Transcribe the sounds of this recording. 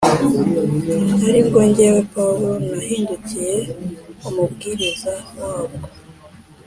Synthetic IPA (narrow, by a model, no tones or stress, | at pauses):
naɾiŋɡoɲɟewepauɾonahiːnducije̞umubɡiːɾizawaːbɡo